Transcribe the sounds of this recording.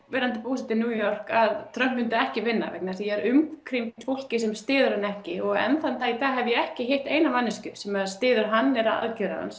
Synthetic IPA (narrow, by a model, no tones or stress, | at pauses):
vɛːɾant̪ɪpuːsɪt̪ɪnjuːjɔr̥kaðt̪ʰɾœhmːʏnt̪aɛhcɪvɪnːa̰vɛ̰knaɾθjɛɛɾʏmkʰɾimt̪fowl̥cɪsɛmst̪ɪːðʏɾanɛhcɪɔɣɛ̰nθant̪aiθaɦɛvʏjɛɛhcɪɦejht̪ejnamanːɪscʏsɛmaɾst̪ɪːðʏɾɦanːɛɾaa̰ðcɛɾa̰ða̰ns